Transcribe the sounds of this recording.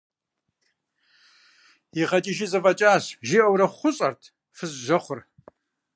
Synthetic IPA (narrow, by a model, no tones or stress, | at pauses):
jiχɐt͡ʃʼiʃizɐfɐt͡ʃʼaːɕʒiʔɐwɾɐχʷʊɕʼɐrtʰ | fɨzʒɐχʷʊr